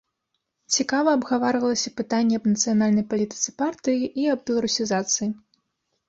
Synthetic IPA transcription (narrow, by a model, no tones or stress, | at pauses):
t͡sʲikavɐɐbɣavaɾɨvɐlˠɐsʲɐpɨt̪anʲːɛɐbnɐt̪sɨjanalʲnɐjpalʲit̪ɨ̥sɨ̥part̪ɨjiʔiɐbbʲɛlˠɐɾusʲizat̪sɨji